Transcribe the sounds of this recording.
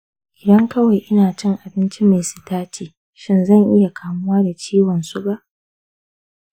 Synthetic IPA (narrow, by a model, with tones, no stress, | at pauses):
ʔɪ˨dɐ˦ŋkɐ˦wa˨jʔɪ˦naː˨t͡ʃɪ˦ŋʔa˨bɪ˦nt͡ʃi˦ma˨jsɪ̥˨taː˦t͡ʃiː˨ | ʃɪ˦nzɐ˦˨ŋʔɪ˦ja˨kʰaː˨mʊ˦waː˦da˨t͡ʃiː˦wɔ˨nsʊ˦ba˦ʔ